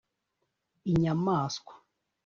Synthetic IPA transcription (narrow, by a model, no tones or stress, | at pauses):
iɲamaːskwḁ